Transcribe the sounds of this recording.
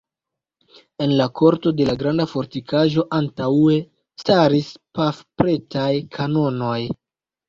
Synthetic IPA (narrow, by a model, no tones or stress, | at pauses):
e̞nlakʰo̞ɾto̞de̞laɡɾandafo̞ɾtikʰaʒo̞ʔantaue̞ | staɾispafpɾe̞tajkʰano̞no̞j